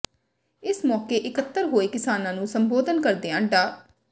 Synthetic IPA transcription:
ɪsmɔːkeːʔɪkət̪ːəɾɦoːeːkɪsaːnãːnũːsəmboːd̪ənkəɾd̪eːãːɳɖaː

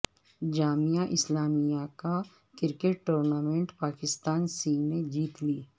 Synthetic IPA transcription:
d͡ʒaːmijaʔɪslaːmijaka | kɪɾkeʈːoːɾnaːmẽɳʈpaːkɪst̪aːnsiːned͡ʒiːt̪liː

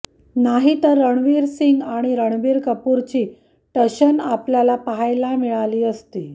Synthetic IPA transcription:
naɦit̪əɾːəɳʋiɾsiŋɡaɽ̃iɾəɳ̃ʋiːɾkəpuɾt͡ɕiː | ʈəɕənapljalapaɦajlamiɭaliːəst̪iː

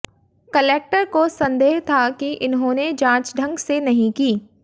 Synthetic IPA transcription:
kɐleːk̚ʈəɾkosɐ̃nd̪eːɦt̪ʰakiʔɪnɦõːned͡ʒãːt͡ʃɖʱɐ̃ŋɡsenɐɦĩkiː

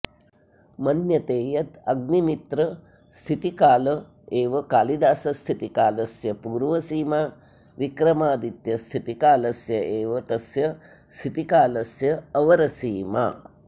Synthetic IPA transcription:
mɐnjɐt̪eːjɐt̪ɐɡnimit̪ɾɐ | st̪ʰit̪ikaːlɐ | eːʋɐkaːlid̪aːsɐst̪ʰit̪ikaːlɐsjɐpuːɾʋɐsiːmaː | ʋikɾɐmaːd̪it̪jɐst̪ʰit̪ikaːlɐsjɐʔeːʋɐt̪ɐsjɐ | st̪ʰit̪ikaːlɐsjɐːʋɐɾɐsiːma̰

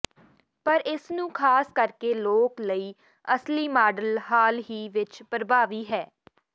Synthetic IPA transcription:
pəɾɪsnũːkʰaːskəɾkeːloːkləiː | əsliːmaːɖəlɦaːlɦiːʋɪt͡ʃpəɾbaːʋiːɦɛː

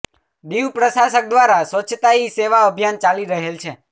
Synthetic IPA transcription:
ɖiwpɾəʃasək̚d̪ʋaɾasʋət͡ʃʰt̪aiseʋaəbʱjant͡ʃaliɾəɦelt͡ʃʰe

